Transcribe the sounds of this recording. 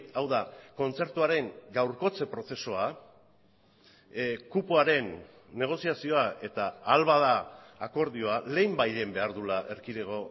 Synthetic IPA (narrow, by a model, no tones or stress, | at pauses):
awðako̞nt͡se̞ɾt̪uaɾe̞ŋɡawɾko̞t͡se̞pɾo̞se̞soa | kupuaɾe̞nː | e̞ɣ̞o̞siasio̞aʔe̞t̪aːlβaðaːko̞ɾðio̞ale̞jmbajʎe̞mbe̞aɾðulaʔe̞ɾkiðeɣ̞o̞